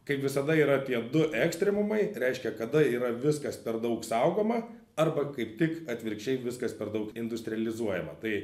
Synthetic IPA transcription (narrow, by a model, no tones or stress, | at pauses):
kɐɪpʋʲɪsɐd̪ɐiːɾɐt̪ʲiɛd̪ʊʔɛːksʲt̪ʲɾʲɛmʊmɐɪɾʲɛɪʃʲkʲɛkɐd̪ɐiːɾɐʋʲɪskɐspʲɛɾd̪ɐʊksɐʊɡoːmɐ | ɐrbɐkɐɪpt̪ʲɪkɐt̪ʲʋʲɪɾʲkʃt͡ʃʲɛɪʋʲɪskɐspʲɛɾd̪ɐʊkɪnd̪ʊsʲt̪ʲɾʲɪɛlʲɪzuɔjɛmɐt̪ɐɪ